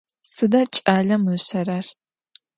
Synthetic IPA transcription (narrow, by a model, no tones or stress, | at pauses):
sɨdɐt͡ʃʼaːɮɐmɨɕɐrɐr